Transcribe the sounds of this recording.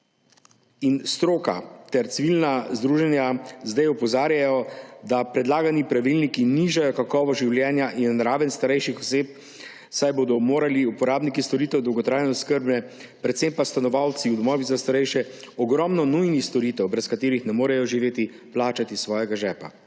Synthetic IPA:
inst̪ɾoːka̰t̪ɛɾt̪siʋilnazd̪ɾuːʒɛnjazd̪ajɔpɔzaːɾjajɔd̪apɾɛd̪laːɡanipɾaʋilnikiniʒajɔkakɔːʋɔʒiwljɛːnjaʔinnɾaːʋɛnst̪aɾɛjʃixɔseːp̚ | sajboːd̪ɔmoːɾaliupɔɾaːbnikist̪ɔɾiːt̪ɛwd̪ɔwɡɔt̪ɾaːjnɛskəɾbnɛ | pɾɛt̪sempast̪anɔʋawt̪siwd̪ɔmɔːʋizast̪aɾɛjʃɛɔɡɾɔmnɔnujnixst̪ɔɾiːt̪ɛwbɾɛskat̪eːɾixnɛmoːɾɛjɔʒiʋeːt̪i | plaːt͡ʃat̪isʋɔːjɛɡaʒɛːpa̰

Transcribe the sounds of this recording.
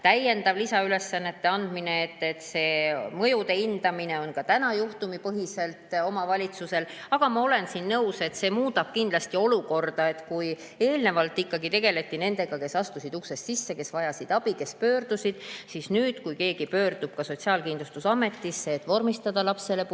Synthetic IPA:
t̪æje̞nd̪̥ɑvlisɑyle̞sːɑnːe̞t̪ːe̞ɑnd̪̥mine̞ːt̪ːet̪se̞ːmɤ̞jud̪e̞ind̪̥ɑmine̞o̞nkɑt̪ænɑjuht̪umipɤɦise̞lt̪o̞mɑvɑlʲit̪suse̞lɑɡ̥ɑmɑo̞le̞nsinnɤwse̞t̪se̞ːmuːt̪ɑb̥̚kind̪lɑst̪io̞luko̞rd̪̥ɑe̞t̪kuj | e̞ːlne̞vɑlt̪ːˑikːɑɡit̪e̞ɡe̞le̞t̪ːˑine̞nd̪̥e̞ɡ̥ɑke̞sɑst̪usid̪uksest̪sisːe̞ke̞svɑjɑsid̪̥ɑb̥ike̞spø̞ːrd̪̥usʲid̪̥sisnyːd̪̥kujke̞ːɡ̥ipø̞ːrd̪̥ub̥̚kɑso̞t̪siɑːlkind̪lust̪usɑme̞t̪ːisːeːt̪ːvo̞rmist̪ɑd̪̥ɑlɑpse̞le̞

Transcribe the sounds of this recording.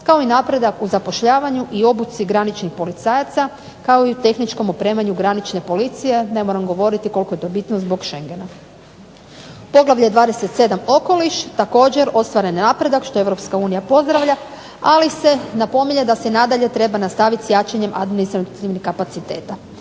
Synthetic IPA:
kao̞inaːpɾe̞d̪akuzapo̞ʃʎaːʋaɲuʔio̞but̪siɡɾanit͡ʃnixpo̞lit̪saːjat̪sa | kaoiut̪e̞xnit͡ʃko̞mopɾe̞ːmaɲuɡɾanit͡ʃne̞po̞lit̪sije̞ne̞moɾamɡo̞ʋo̞ɾit̪iko̞lˠkoe̞t̪o̞bit̪nozbo̞ɡʃe̞ŋɡe̞na | po̞ɡlˠaʋʎeed̪ʋaːd̪e̞set̪se̞d̪amo̞ko̞liʃt̪ako̞ːd͡ʑe̞ɾo̞st̪ʋaɾenːaːpɾe̞d̪akʃt̪o̞e̞ʋɾo̞pskauːnijapo̞zd̪ɾaʋʎʲa | alise̞napo̞miɲed̪asenad̪aʎe̞t̪ɾe̞banast̪aʋit̪sjat͡ʃaɲe̞mʔa̰d̪minist̪ɾat̪iʋnixkːapat̪sit̪e̞ːt̪a

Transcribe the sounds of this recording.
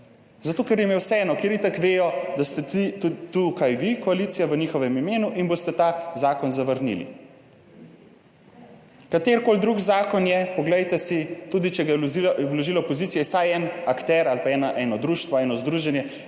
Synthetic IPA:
zat̪oːkɛɾjɛmɛwsɛɛːnɔkeːɾit̪akʋeːjɔd̪ast̪ɛit̪ut̪ukajʋikɔaliːt̪sijaʋəniːxɔʋɛmimeːnuʔinboːst̪ɛt̪azaːkɔnzaʋəɾnḭlḭ | kat̪eːɾkoːld̪ɾuɡzaːkɔnjɛpɔɡlɛjt̪ɛsit̪uːd̪it͡ʃɛɡajɛiwloʒiːlɔpɔziːt̪sijɛsajɛnakt̪ɛɾalpaɛːnaʔɛːnɔd̪ɾuːʃt̪ʋɔɛːnɔzd̪ɾuʒɛnjɛ

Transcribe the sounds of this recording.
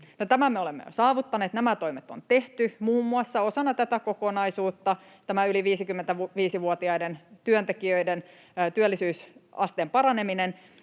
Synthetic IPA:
not̪æmæmeolemːḛjo̰sɑːʋut̪ːɑneːt̪næmæt̪oimet̪ːont̪e̞ht̪ymuːmːuɑsːɑo̞sɑnːɑt̪æt̪ækokonɑisuːt̪ːɑ | t̪æmæyliʋiːsikymːent̪æuʋiːsiʋuot̪iɑident̪yønt̪ekiøiden | t̪yølːisyːsɑst̪eːmpɑɾɑneminen

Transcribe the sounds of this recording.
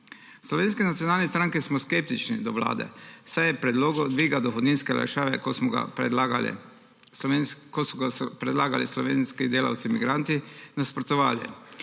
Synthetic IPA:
slɔʋeːnskɛnat̪jonaːlnɛst̪ɾaŋkismɔskep̚t̪it͡ʃnḭd̪ɔʋla̰ːd̪ɛ̰sajɛpɾɛd̪loːɡɔd̪ʋiːɡad̪ɔxɔd̪niːnskɛla̰ʃaːʋɛkosmɔɡa̰ | kosɔɡapɾɛd̪laːɡa̰lḭslɔʋeːnskid̪eːla̰wt̪simiɡɾant̪inaspɾɔt̪ɔʋa̰ːljɛ̰

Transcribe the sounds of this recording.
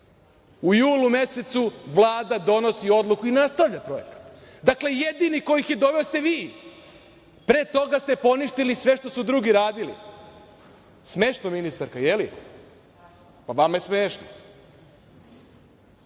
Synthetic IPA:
ujuːlume̞set̪suʋlˠaːd̪ad̪o̞no̞sio̞d̪lukuinast̪aʋʎapɾo̞je̞̰kḁt̪d̪akle̞je̞d̪iniko̞jixje̞d̪o̞ʋeost̪eʋiː | pɾe̞ːt̪o̞ɡast̪epo̞niʃt̪ilisʋe̞ʃt̪o̞sud̪ɾuɡiɾaːd̪ilḭ | smeːʃnominist̪aɾkaje̞lḭ | paʋamaesmeːʃno

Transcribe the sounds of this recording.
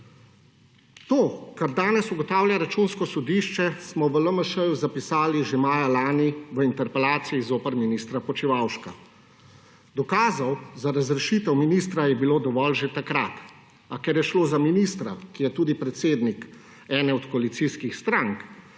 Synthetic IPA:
t̪oːkaɾd̪aːnɛsuɡɔt̪aːwljaɾat͡ʃunskɔsɔd̪iːʃt͡ʃɛsmɔʋələməʃəjuzapisaːliʒemaːjalaːniʋəint̪ɛɾpɛlaːt̪sijizoːpəɾminiːst̪ɾapɔt͡ʃiʋawʃka | d̪ɔkaːzawzaɾazɾɛʃit̪ɛwminiːst̪ɾajɛbiloːd̪ɔʋɔlʒet̪akɾat̪ | akɛɾjɛʃloːzaminist̪ɾakijɛt̪uːd̪ipɾɛt̪seːd̪nik | ɛːnɛɔt̪kɔalit̪siskixst̪ɾaŋk

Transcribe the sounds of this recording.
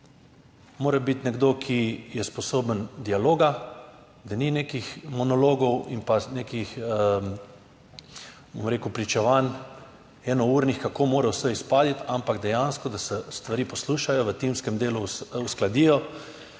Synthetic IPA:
moːɾɛbit̪nɛɡd̪okʰijɛspɔsoːbənd̪ialoːɡa | d̪anineːkixmɔnɔloːɡɔwimpaneːkix | bomɾeːkupɾit͡ʃɛʋan | ɛːnɔuːɾnixkakoːmoːɾɛwsəxispaːd̪it̪ampaɡd̪ɛjanskɔd̪asɛst̪ʋaɾiːpɔsluːʃajɔʋət̪imskɛmd̪eːluusklad̪iːjɔ

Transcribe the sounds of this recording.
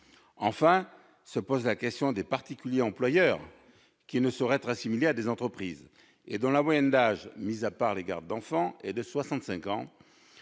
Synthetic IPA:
ɑ̃fɛ̃ | səpozlakʲɛst̪jɔ̃d̪epaʁt̪ikʲyljeɑ̃plwajœʁ | kʲinəsɔʁɛɛt̪χasimilead̪ezɑ̃t̪χəpχiz | ed̪ɔ̃lamwajɛnd̪aʒmizapaʁleɡa̰ʁd̪̚d̪ɑ̃fɑ̃ɛd̪əswasɑ̃t̪sɛ̃kɑ̃

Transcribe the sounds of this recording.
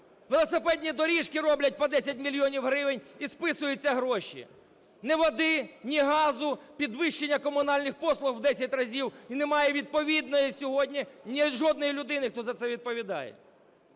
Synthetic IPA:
ʋelˠɔsepɛd̪ʲnʲid̪ɔɾʲiʃkɪrɔblʲɐt̚ʲpɔd̪ɛsʲɐtʲmʲilʲjɔnʲiwɦɾɪʋenʲispɪsʊjʊt͡sʲːɐɦɾɔʃʲḭ | nɛʋɐd̪ɪnʲiɦɑzʊpʲid̪ʋɪʃt͡ʃenʲːɐkɔmʊnɑlʲnɪxpɔslˠʊɣwd̪ɛsʲɐtʲrɐzʲiwinemɑjɛʋʲid̪̚pɔʋʲid̪nɔjɛsʲɔɦɔdʲnʲinʲiʒɔd̪̚nɔjilʲʊd̪ɪnɪxt̪ɔzɐt̪sɛʋʲid̪̚pɔʋʲid̪ɑ̰jɛ̰

